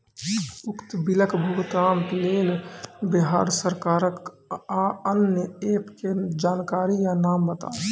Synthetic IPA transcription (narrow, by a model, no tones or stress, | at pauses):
ʊkt̪biləkbʱuɡt̪ɾaːmkleːlbɪɦaːɾsəɾkaːɾək | aənjəeːpked͡ʒaːnkaːɾijanaːmbət̪a̰ː